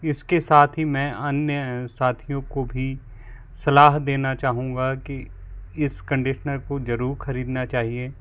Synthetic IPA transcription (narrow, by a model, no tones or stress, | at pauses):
ɪskesaːt̪ʰɦimɛ̃ːɐnjəsaːt̪ʰijõkobʱi | sɐlaːɦd̪eːnat͡ʃaːɦũːŋɡake | ɪskɐ̃ɳɖɪʃnəɾkozɐɾuːɾxɐɾiːd̪nat͡ʃaːɦieː